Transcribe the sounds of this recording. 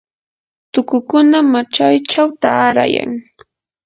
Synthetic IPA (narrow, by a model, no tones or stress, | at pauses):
t̪ʊkʊkʊnamat͡ʃajt͡ʃawt̪aːɾa̰ja̰ŋ